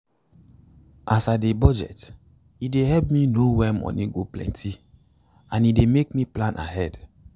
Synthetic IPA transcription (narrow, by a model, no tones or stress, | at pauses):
ʔasadebɔd͡ʒɛ̰t | ideɦɛlpminowɛmɔ̰niɡoplɛ̰̃ntʰi | ãnidemekmiplãnʔa̰ɦɛd